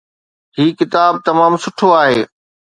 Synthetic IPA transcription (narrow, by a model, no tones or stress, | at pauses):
ɦiːkɪt̪aːb̚t̪ɐmaːmsʊʈʰoaːɦeː